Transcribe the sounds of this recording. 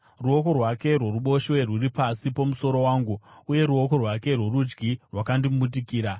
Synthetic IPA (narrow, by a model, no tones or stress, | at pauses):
ruo̞ko̞rwake̞rwo̞ruɓo̞ʃwerwuripasipomuso̞ɾo̞waːŋɡuuje̞ɾuo̞ko̞rwake̞rwo̞ɾud͡ʒɡirwakandimuɓut̬ikiːɾa